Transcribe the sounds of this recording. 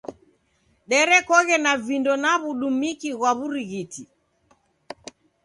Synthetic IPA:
ɗɛɾɛkɔɣɛnavindɔnaβuɗumikiɣwaβuɾiɣiti

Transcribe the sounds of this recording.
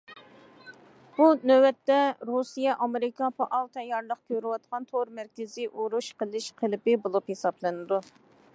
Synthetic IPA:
b̥unøwɛt̪ːɛɾusijɛʔɑmɪɾɪkʰɑpʰɑʔɑlt̪ʰɛjɑɾlˠəqkʲøɾɪwɑt̪̚qʰɑnt̪ʰoɾmæɾkʲɪzɪʔuɾuʃqəlˠɪʃqʰəlɪpɪbolˠuphesɑblˠɨnɨd̪u

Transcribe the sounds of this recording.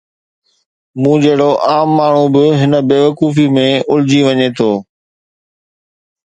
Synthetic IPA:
mũːd͡ʑeɦɪɽoʔaːmːaːɳ̤ubɪɦɪnə̆beːʋəkuːfimẽʊld͡ʑiʋɐɲet̪ʰoː

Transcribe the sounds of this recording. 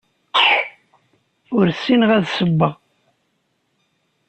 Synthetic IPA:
ʊɾsinʁæðsəbːəʁ

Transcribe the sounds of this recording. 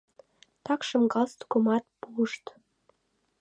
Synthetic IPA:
t̪ɑkʃɤ̆mɡɑlst̪komɑt̪̚puəʃt̪

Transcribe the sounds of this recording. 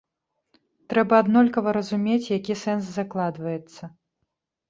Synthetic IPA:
t̪ɾɛbɐːd̪nɔlʲkɐvɐɾɐzumʲet͡sʲjakʲisɛnszaklˠad̪vɐjɛt̪sːɐ

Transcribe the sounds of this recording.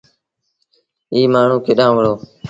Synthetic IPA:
iːmaːɳ̤ũːkʰeːɗãːʋəɭoː

